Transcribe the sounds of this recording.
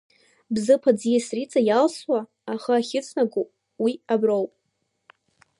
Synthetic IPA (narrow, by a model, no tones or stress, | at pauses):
bzɨpʰad͡zjasrit͡sʼajalswaː | χaaχʲɪt͡sʰnaɡʷu | wiabrowpʼ